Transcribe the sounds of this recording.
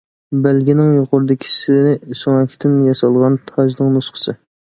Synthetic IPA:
bælɡʲinɪŋjoqʊɾɨd̪ɪkʲʰi̥sɪsoŋɛkʲt̪ʰɪnjɑsɑlˠʁɑnt̪ʰɑʒnɨŋnosqə̥sɨ

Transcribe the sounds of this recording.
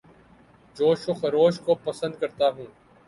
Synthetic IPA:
d͡ʒoːʃʊxɾoːʃkoːpəsə̃nd̪̚kəɾt̪aːɦũː

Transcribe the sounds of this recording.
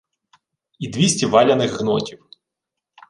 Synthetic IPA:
id̪ʋʲisʲtʲiʋɑlʲɐnɪxːnɔtʲiw

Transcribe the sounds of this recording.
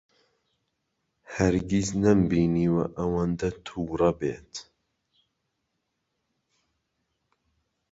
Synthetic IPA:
hɛɾɡiznɐmbiːniːwɐ̰ʔɐwand̪ɐt̪ʰuːrɐbḛːt̪

